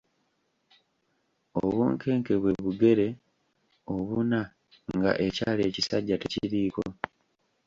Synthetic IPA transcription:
oβṵːŋkʰe̞ːŋke̞βwe̞βuɡe̞ɾe̞ | o̞βuna | ŋɡa̰ʔe̞caːle̞ːcisaɟːate̞ciɾiːko

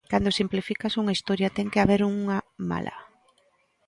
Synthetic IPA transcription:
kand̪osimplifikasuŋaist̪oɾjat̪ɛŋkeaβ̞eɾuŋama̰lʔa̰

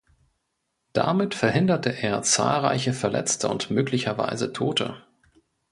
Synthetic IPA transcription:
d̥a̰mɪtfɛɐɦɪndɐtəʔeːɐt͡sa̰ːlʁa̰ɪçəfɛɐlɛ̰t͡stʰəʊntmøːklɪçɐva̰ɪzətʰoːtʰə̰

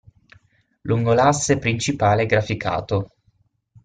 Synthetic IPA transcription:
lʔuŋɡolasːepɾint͡ʃipaːleɛɡɾafikʰa̰ːt̪o

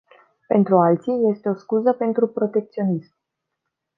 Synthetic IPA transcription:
pe̞nt̪ɾualt̪sije̞st̪e̞o̞skuzəpe̞nt̪ɾupɾo̞t̪e̞k̚t̪sio̞nism

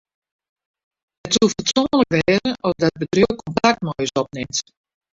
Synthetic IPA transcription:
ətsufətsoːnləkʋɛːzənʔɔzdɔt̚bədrøkʰɔnpak̚tmɔjəsɔp̚nɪmt

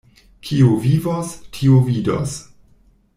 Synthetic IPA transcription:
kʰiovivastʰiovido̰s

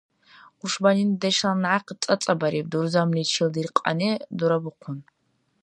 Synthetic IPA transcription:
qʷʊʂbɐniːndɐʃɐnʕaqət͡sʼɐt͡sʼɐbɐɾiːb̚durzɐmlit͡ʃʰildirqʼɐ̰niːduɾɐbɨqʷʰʊn

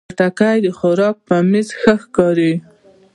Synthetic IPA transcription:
ʈakajd̪əxʊɾɑk̚pəmizxəxkɑɾi

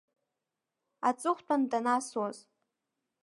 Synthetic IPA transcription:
at͡sʼɨχʷtʷʰʼandanaswaz

